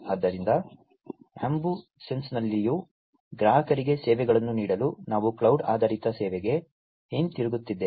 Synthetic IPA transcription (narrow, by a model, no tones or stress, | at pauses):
ɐd̪ːɐɾind̪ɐ | a̰mbu | se̞nsnɐlːiju | ɡɾaːɦɐkɐɾiɡe̞sɛːʋɛɡɐɭɐnːuniːɽɐlunaːʋukɭɐwɖaːd̪aːɾit̪ɐsɛːʋɛɡe̞ | eːnt̪iɾuɡut̪ːid̪ːe